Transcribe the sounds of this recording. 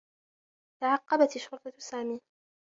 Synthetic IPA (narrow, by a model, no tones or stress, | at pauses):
t̪aʕɑqːɑbat̪ɪʃːʊɾt̪ˤɑsaːmiː